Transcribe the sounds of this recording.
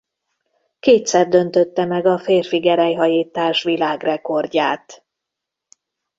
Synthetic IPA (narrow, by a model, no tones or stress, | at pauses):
keːt̪sɛrd̪ø̞n̪t̪øt̪ːɛmɛɡɒfeːrfiɡɛɾɛjɦɒjiːt̪ːaːʃʋilaːɡrɛko̞rɟaːt̪